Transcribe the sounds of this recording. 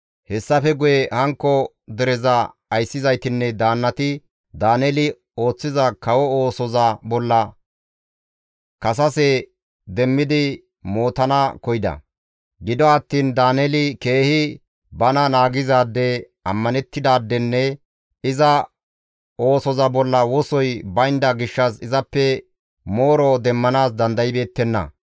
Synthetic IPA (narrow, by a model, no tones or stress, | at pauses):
hɛsːɐfɛɡʊjɛhɐŋkːɔ | d̪ɛɾɛzɐ | ɐjsːɪzɐjt̪ɪnːɛd̪aːnːɐt̪ɪ | d̪aːnɛlɪ | o̞ːt͡sːɪzɐkɐwɔoːsɔzɐbɔlːɐ | kɐs̬ɐsɛ | d̪ɛmːɪd̪ɪ | mo̞ːt̪ɐnɐkɔjɪd̪ɐ̰ | ɡɪd̪ɔɐt̪ːiːnd̪aːnɛlɪke̞ːhɪ | bɐnɐnaːɡɪzaːd̪ːɛ | ɐmːɐnɛt̪ːɪd̪aːd̪ːɛnːɛ | ɪzɐ | o̞ːsɔzɐbɔlːɐwɔsɔjbɐjɪnd̪ɐɡɪʃːɐsɪzɐpːɛ | mo̞ːɾɔd̪ɛmːɐnaːs̬d̪ɐnd̪ɐjɪbe̞ːt̪ːɛnːɐ̰